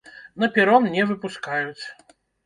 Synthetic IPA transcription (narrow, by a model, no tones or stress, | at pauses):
nɐpʲɛɾɔmnʲɛvɨpuskajut͡sʲ